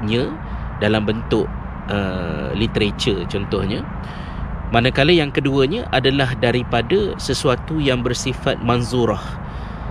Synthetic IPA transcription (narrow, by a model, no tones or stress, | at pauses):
ɲã | dalambənt̪ʊʔ | əlit̪əɾet͡ʃərt͡ʃɔnt̪ɔhɲa | manakaləjaŋkəduəɲaʔadalahdaɾipadasəsuat̪ujaŋbərsifat̪̚manzuɾah